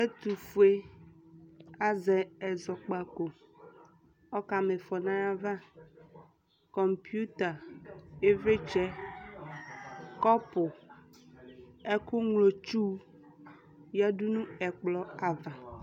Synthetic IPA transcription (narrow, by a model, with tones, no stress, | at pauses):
e˦t̪u˨fu˨e˦ | a˦zɛ˨ɛ˨zɔ˨k͡pa˨ko˨ | ɔ˦ka˨me˨fɔ˨nã˦ja˦va˦ | kɔ˨mpju˦t̪a˨e˦ve˦t͡ʃɛ˦ | kɔ˦pʊ˨ | ɛ˦kʊ˦ŋlo˨t͡ʃu˦ | ja˦du˦nũ˦ɛ˨k͡plɔ˨a˨va˨